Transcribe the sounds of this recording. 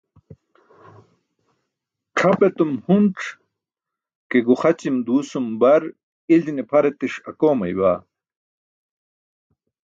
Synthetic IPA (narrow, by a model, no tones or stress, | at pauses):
ʈ͡ʂʰɐpet̪umhunʈ͡ʂʰ | keɡuχɐt͡ɕimd̪uːsumbɐɾ | ilinepʰɐɾet̪iʂɐkoːmɐ̰jwaː